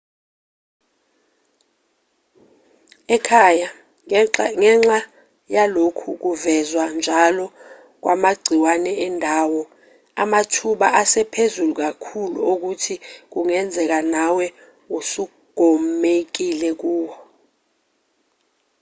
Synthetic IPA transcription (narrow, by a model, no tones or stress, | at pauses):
ɛkʰaja | ŋɛŋ͡ǁa | jalokʰuk̬uvɛzwand͡ʒʱalɔ | k̬wamaɡ͡ǀʱiwanɛɛndʱawɔ | a̰matʰuɓaʔasɛpʰezuluk̬akʰulṵok̬utʰik̬uŋɛnd͡zʱɛk̬anawɛ | usu | ɡ̥ʱɔmek̬ilɛk̬uːwɔ